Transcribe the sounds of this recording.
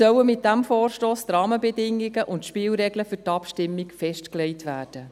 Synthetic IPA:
œwəmɪt̚d̥æmfoːrʃtoːst̪rɑːməbɛdɪŋiɡəʔʊntʃpɪːlɾɛɡləfʏtɑpʃtɪmːikfɛʃtklɛɪtʋæːrd̥ə

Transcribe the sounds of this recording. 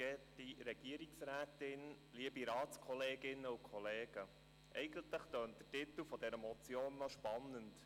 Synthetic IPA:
ɡ̥ɛtiɾɛɡ̥iəɾiksɾæːtɪn | liəbiɾɑːtt͡skʰɔleːɡɪnːəukʰɔleːɡ̥ə | ʔɛɪɡənt̪ləχt̪øːnt̚d̥̪ətɪt̪əlfɔdɛɾəmɔt͡sjoːnːɔʃpɑnːənt

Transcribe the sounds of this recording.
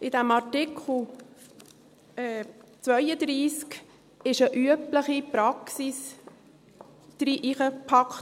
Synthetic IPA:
ɪd̥æmɑɾtɪkʰχl̩ | ɛːt͡sʋœjəd̪ɾiːsk | ɪʃəʔyəpləχipɾɑksis | d̪̥ɾiʔiχəpʰɑkχt

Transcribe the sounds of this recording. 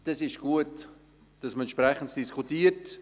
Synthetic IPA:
d̥ɑsɪʃɡ̥uət | d̥ɑsməɛnt͡ʃʃprɛχəntd̥iskʰutiːərt

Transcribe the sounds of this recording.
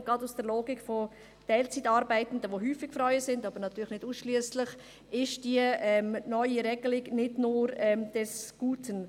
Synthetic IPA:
ɡ̥ʁɑdusd̥əɾloːɡikfɔ | d̥ɛɪlt͡sitɑːɾbaɪtən̩dəʋoɦyːfɪɡ̥fɾɔʏəsɪndɑːbəɾnɑtyːɾləxnɪduːsʃliəsləχ | ɪʃd̥iəɛmnɔʏiɾɛɡ̥əlɪɡnɪdnʊːɾɛmd̥ɛsɡ̥uːtʰən

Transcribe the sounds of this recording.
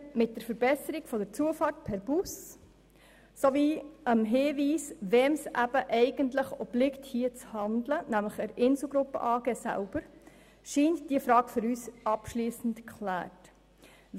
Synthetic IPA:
mɪt̚d̥əɾfəɾbɛsəɾiɡ̥fɔdəɾt͡suəfɑːrt̚pʰɛɾb̥us | soviːəmɦɪːviːsʋɛːmsʔæb̥əʔɛɪɡəntləχɔb̥lɪkthiːət͡shɑnd̪lənæmləχəɾʔɪnsl̩ˠɡɾʊpːə̰ʔɑːɡ̥eːsæ̰lb̥əɾ | ʃiːntd̥iəfɾɑːɡføɾyːsʔɑpʃliːsən̩tkʰχlæ̰ːrt

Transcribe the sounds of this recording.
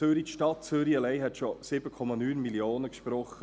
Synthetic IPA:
øɾitʃtɑt̚t͡søɾiəlɛɪɦɛt̪ʃɔsɪbəkʰɔmɑnyːnmiljoːnəkʃpɾɔχə

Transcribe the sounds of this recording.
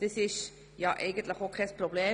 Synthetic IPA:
d̥əsɪʃ | jɑʔɛɪɡ̥ənt̪ləχokʰχɛsprobleː

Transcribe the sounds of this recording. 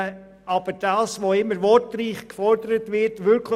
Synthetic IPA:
ɑb̥əd̥ɑːsʋoɪmːəɾʋɔrtriːχkfɔrdəɾətʋɪɾtʋʏɾkʰl

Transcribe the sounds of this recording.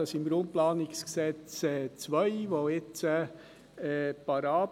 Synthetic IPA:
ɑsɪmɡ̥ɾʊnt̚plɑːnɪksksɛt͡sɛt͡sʋœɪʋoɪt͡sə | ɛpɑɾɑː

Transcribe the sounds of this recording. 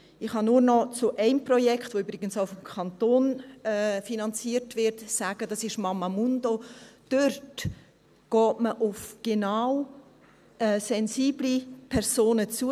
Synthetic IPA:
ɪχhɑnuːɾnɔt͡sʊʔɛɪmprɔjɛkχtʋoyːbɾɪɡənsaʊfɔmkʰɑntoːnɛːfinɑnt͡siːəɾtvɪrtsaːɡ̥ədɑsɪʃmɑmːamundod̥ørt | ɡ̥ɔːtməʔʊfɡ̥enaw | ʔɛːsɛnziːblipʰɛɾz̥oːnət͡suə

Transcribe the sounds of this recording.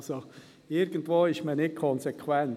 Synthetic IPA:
so | ɪɾɡəntʋoːɪʃmənɪt̚kʰɔnsekʰwɛn

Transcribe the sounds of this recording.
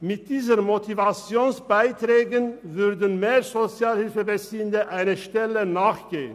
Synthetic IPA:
mɪt̚d̥iːzənmotʰivat͡sjoːnsb̥aɪtʁɛːɡənvʏʁdən̩meːʁzot͡sjaːlhɪlfəbət͡siːəndəʔaɪnəʃtɛlənaːχɡ̥eːən

